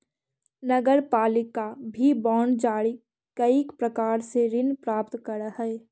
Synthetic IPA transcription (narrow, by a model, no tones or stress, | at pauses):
nɐɡəɾpaːlɪkabʱibɔːnd͡ʒaːɽi | kɐikpɾɐkaːɾseɾɪnpɾaːpt̪kəɾəɦɛː